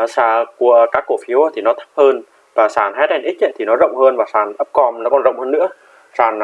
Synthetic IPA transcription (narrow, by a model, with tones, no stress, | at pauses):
saː˧˩ku˧˩əkaː˦˥kːo˧˩fi˨˦wt̪ʰi˨˩nɔ˨˦t̪ʰə˦˥p̚həː˧n | vaː˨˩saː˧˩nɦa˦˥t̚ɗɛ˧˩nʔi˦˥k̚ʔə̰˧˨jt̪ʰi˨˩nɔ˨˦zə̰˧˨wŋ͡mhəː˧nvaː˨˩saː˨˩nʔə˦˥p̚kɔ˧nnɔ˨˦kɔ˧˩nzə̰˧˨wŋ͡mhəː˧nːɨ̰˧˥ə | saː˨˩n